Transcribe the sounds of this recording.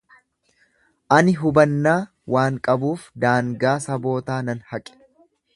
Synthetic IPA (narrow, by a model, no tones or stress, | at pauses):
ʔɐnɪɦʊbɐnːaː | wʔaːŋkʼɐbuːfd̪aːŋɡaːsɐbo̞ːt̪aːnɐnhɐkʼɛ̥